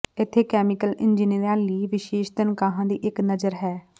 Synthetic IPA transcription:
ɪt̪ʰːeːkɛːmɪkəlɪnd͡ʒiːniɾãːliːʋɪʃeːʃt̪ənkaːɦãːd̪iːʔɪknəzəɾɦɛː

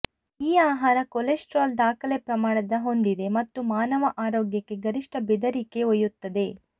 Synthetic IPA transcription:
iːaːɦaːɾɐkolesʈɾaːld̪aːkʰɐlepɾɐmaːɽɐd̪ɐɦo̞nd̪id̪e̞mɐt̪ːumaːnɐʋɐʔaːɾɔːɡjɐkːe̞ɡɐɾiʂʈɐbɛd̪ɐɾike̞ojut̪ːɐd̪e̞

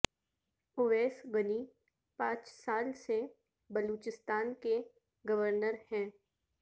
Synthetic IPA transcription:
oʋeːsɡəni | pãːt͡ʃsaːlse | bɐluːt͡ʃɪst̪aːnke | ɡɐʋəɾnəɾhɛ̃ː

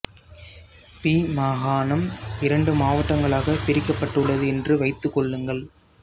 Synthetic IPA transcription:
piːmaːɣaːnɐmɪɾɐɳɖɯmaːʋɐʈːɐŋɡɐɭaːɣɐpɪɾɪkːɐpːɐʈːɯɭːɐðɯɛndrɯʋɐɪt̪ːɯkːɔɭːɯŋɡɐɭ

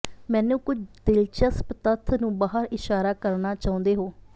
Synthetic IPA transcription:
mɛ̃ːnũːkʊt͡ʃʰd̪ɪlt͡ʃəspt̪ət̪ʰːnũːbaːɦəɾɪʃaːɾaːkəɾnaːt͡ʃaːʊ̃nd̪eːɦoː

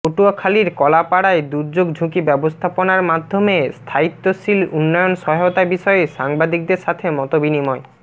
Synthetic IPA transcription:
oʈuakʰaliɾkɔlapaɽaed̪uɾd͡ʑoɡd͡ʑʱũkibɛbost̪ʰaponaɾmad̪ʱːomest̪ʰait̪ːoʃilunːɔjonʃɔɦot̪abiʃɔeeʃaŋbad̪ik̚d̪eɾʃat̪ʰemɔt̪obinimɔe

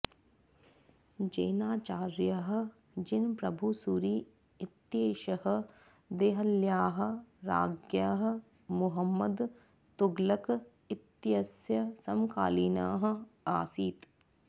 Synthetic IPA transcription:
d͡ʒeːnaːt͡ʃaːɾjɐɦ̆ | d͡ʒɪnpɾɐbʱusuɾiː | ɪt̪jeːʃɐhə̆ | d̪eːɦɐljaːɦə̆ɾa̰ːɡjaːɦə̆ | mʊɦəmːəd̪ | t̪ʊɡlɐk | ɪt̪jɐsjɐsɐmkaːliːna̰ːɦɐ̆aːsiːt̪

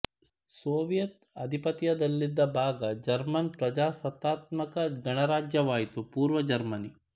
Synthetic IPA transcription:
soːʋijɐt̪ | ɐd̪ʱipɐt̪ijɐd̪ɐlːid̪ːɐbʱaːɡɐd͡ʒɐɾmɐnpɾɐd͡ʒaːsɐt̪ːaːt̪mɐkɐɡɐɳɐɾaːd͡ʒjɐʋaːjit̪upuːɾʋɐd͡ʒɐɾmɐni

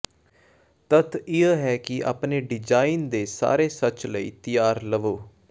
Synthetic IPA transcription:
t̪ət̪ʰɪəɦɛːkɪa̰ːpneːɖɪd͡ʒaːind̪eːsa̰ːɾeːsət͡ʃləḭːt̪ɪjaːɾləʋoː

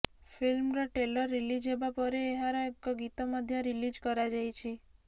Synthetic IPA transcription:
pʰilmɾɔʈelɔɾːilid͡ʒɦebapɔɾeːɦaɾɔekːɔɡit̪ɔmɔd̪ʱjɔɾilid͡ʒkɔɾad͡ʒajt͡ʃʰi

